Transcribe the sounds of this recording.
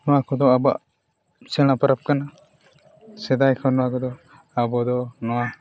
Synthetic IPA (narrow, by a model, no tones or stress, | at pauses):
nɔwakɔd̪ɔaba̰ʔ | t͡ʃɛɽ̃apəɾap̚kana | sɛd̪ajkʰɔnɔwakɔd̪ɔ | abɔd̪ɔnɔwa